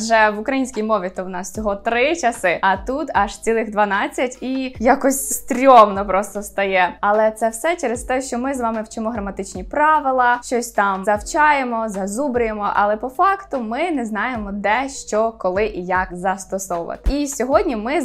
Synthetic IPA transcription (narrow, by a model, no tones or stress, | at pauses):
ʒɛʋʊkɾɐjinʲsʲkʲijmɔʋʲit̪ɔwnɑst͡sʲɔɦɔt̪ɾɪt͡ʃɐsɪɐt̪ut̪ɐʃt͡sʲilˠɪɣd̪ʋɐnɑt͡sʲːɐtʲijakɔsʲst̪ɾʲɔmnɔpɾɔst̪ɔst̪ɐjɛɐlˠɛt̪sɛwsɛt͡ʃɛɾest̪ɛʃt͡ʃɔmɪzʋɑmɪwt͡ʃɪmɔɦɾɐmɐt̪ɪt͡ʃnʲipɾɑʋɪlˠɐʃt͡ʃɔsʲt̪ɑmzɐwt͡ʃɑjemɔzɐzubɾʊjemɔʔɐ̰lˠɛpɔfɑkt̪ʊmɪnɛznɑjemɔd̪ɛʃt͡ʃɔkɔlˠɪʔijɐkzɐst̪ɔsɔwʊʋɐ̰t̪ɪ̥isʲɔɦɔdʲnʲimɪ